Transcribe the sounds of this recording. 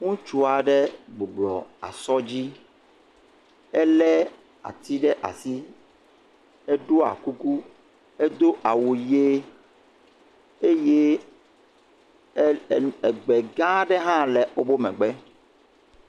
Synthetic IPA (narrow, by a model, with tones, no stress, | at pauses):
ŋũ˦t͡ʃu˦a˨ɖɛ˦ɡ͡bo˨ɡ͡blɔ˨a̰˨sɔ˦d͡ʑi˦ | e˦lɛ˦ | a̰˨t̪i˦ɖɛ˦ʔa̰˨si˦ | e˦ɖo˦a̰˨ku˦ku˦ | e˦d̪o˦ʔa˨wu˨je˦ | e˦je˦˨ | ɛ˨ɡ͡bɛ˨ɡã˦ɖɛ˦ɦã˦lɛ˨o˦bo˦mɛ̃˨ɡ͡bɛ˦